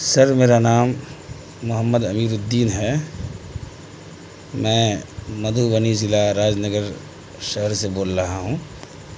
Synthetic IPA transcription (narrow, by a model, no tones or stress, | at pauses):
sɐɾmeːɾanaːmː | ʊɦəmːəd̪ɐmiːɾʊd̪ːiːnɦɛː | mɛ̃ːmɐd̪ʱuʋənizɪlaɾaːd͡ʒnəɡəɾ | ʃəɦəɾseboːlɾɐɦaɦũː